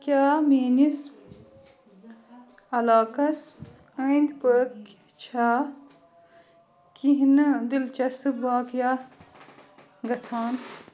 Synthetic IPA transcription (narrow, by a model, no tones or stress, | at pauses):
kjaːmeːnis | ɐlaːkɐs | əind̪pəːk | t͡ʃʰa | kiɦnɨd̪ilt͡ʃɐsɨbaːkja | ɡɐt͡sʰaːn